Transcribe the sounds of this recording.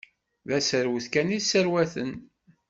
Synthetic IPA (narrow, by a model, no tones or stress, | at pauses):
ðæsəɾwθkænisəɾwæθə̰n